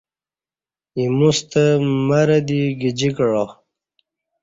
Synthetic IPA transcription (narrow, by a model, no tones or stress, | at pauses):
imust̪əmaɾəd̪iɡid͡ʑikɻo